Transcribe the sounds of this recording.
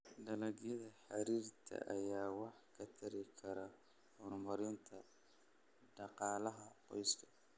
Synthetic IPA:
ɖɐlɐɣjɐðɐħɑɾiːrt̪ʰɐ̰ʔɐ̰jaːwɑħkʰɐt̪ʰɐɾɪkʰɐɾɐ | hɔrmɐɾɪnt̪ʰɐ | ɖɑqɑːlɐɦɐqɔjskʰɐ̥

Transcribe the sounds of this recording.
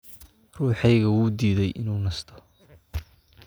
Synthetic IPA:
ruːħɛjɣɐwuːd̪iːðɛjʔɪ̰nuːnɐst̪ʰɔ̥

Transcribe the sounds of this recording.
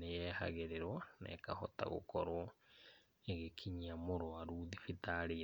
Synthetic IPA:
nejɛha̰ɣeɾeɾwanɛ̰kahɔta̰ɣo̰kɔɾɔ | eɣekʰiɲiamoɾwaɾuðifitaɾe

